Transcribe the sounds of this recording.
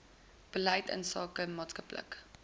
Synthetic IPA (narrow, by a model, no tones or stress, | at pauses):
b̥əlɛjtə̰nsɑːkəmɑːtskəplə̰k